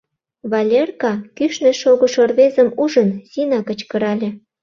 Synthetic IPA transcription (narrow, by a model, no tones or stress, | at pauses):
βɑlʲerkɑkyʃnĕʃoɣŏʃorβezə̆muʒənsinɑkə̆t͡ɕkə̆ɾɑlʲĕ